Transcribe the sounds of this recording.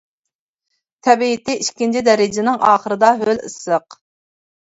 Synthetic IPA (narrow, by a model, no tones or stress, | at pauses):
t̪ʰɛbiɪt̪ʰɪiʃkʲint͡ʃʰid̪ɛɾɪd͡ʒɪnɪŋʔɑːχəɾɨd̪ɑɦølɨ̰səq